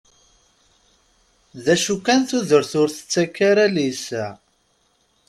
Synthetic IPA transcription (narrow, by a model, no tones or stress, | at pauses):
ðæʃukːænθuðəɾθʊɾθə̥t͡sːækːaɾælisæ